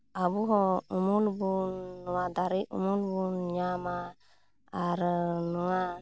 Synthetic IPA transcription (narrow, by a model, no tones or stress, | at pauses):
abuɦɔumulbunːɔwad̪aɾiṵmulbunɲamaː | ɾənɔa